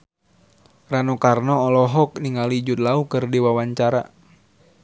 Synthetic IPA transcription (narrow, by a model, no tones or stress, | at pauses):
ranɔkarnɔːlɔɦɔk̚niŋalid͡ʒut̪̚laukɨrdiwawaɲt͡ʃaɾa̰